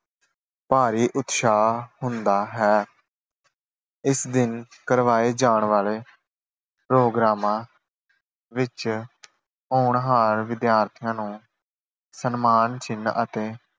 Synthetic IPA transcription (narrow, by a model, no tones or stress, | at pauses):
paːɾiːʔʊt̪ʃaːhʊnd̪aːɦɛː | ɪsd̪ɪnkəɾʋaːeːd͡ʒaːɳʋaːleː | pɾoːɡɾaːmãː | ʋɪt͡ʃ | ɦoːɳɦaːɾʋɪd̪jaːɾt̪ʰɪjãːnũː | sənmaːnt͡ʃɪnːət̪eː